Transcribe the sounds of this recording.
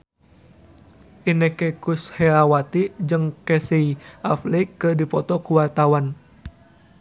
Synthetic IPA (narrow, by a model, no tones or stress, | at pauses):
ʔinekekushɛawat̪id͡ʒɨŋkɛseiʔaflikːɨdipɔt̪ɔkuwart̪awan